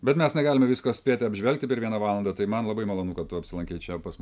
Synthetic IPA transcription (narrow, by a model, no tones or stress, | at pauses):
bʲɛt̪mʲɛsnʲɛɡɑːlʲɪmɐʋʲɪskoːsʲpʲeːt̪ʲɪɐbʲʒʲʋʲɛlʲk̚t̪ʲɪpʲɛɾʋʲiɛnɐʋɑːlˠɐnd̪ɐt̪ɐɪmɐnlˠɐbɐɪmɐlˠoːnuːkɐt̪t̪ːʊɐpʲsʲɪlˠɐŋʲkʲɛɪt͡ʃʲɛpɐsmʊ